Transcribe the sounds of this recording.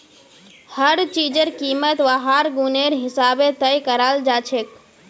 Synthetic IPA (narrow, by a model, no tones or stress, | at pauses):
həɾt͡ʃiːd͡ʒəɾkiːmət̪ʋaɦaːɾɡuneɾɦɪsaːbet̪əjkəɾaːld͡ʒaːt͡ʃʰek